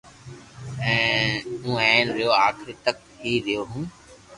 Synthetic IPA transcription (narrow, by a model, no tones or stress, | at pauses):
ɛ̃ːũːɛ̃ːnɾɪjoːaːkʰɪɾiːt̪ək̚ʰiːɾɪjoːɦũː